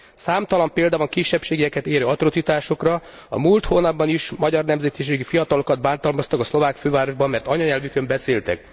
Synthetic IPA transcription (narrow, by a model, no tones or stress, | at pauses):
saːmt̪ɒlɒmpeːld̪ɒvɒŋkiʃːɛpʃeːɡijɛkɛt̪eːɾøːɒt̪ro̞t̪sit̪aːʃo̞krɒ | ɒ̰mult̪hoːnɒb̚bɒniʃmɒɟɒrnɛmzɛt̪iʃ̬eːɡifijɒt̪ɒlo̞kɒd̪̚baːnt̪ɒlmɒst̪ɒkɒslo̞vaːkføːvaːɾo̞ʒbɒmːɛrt̪ɒɲɒɲɛlvykømbɛseːlt̪ɛ̰k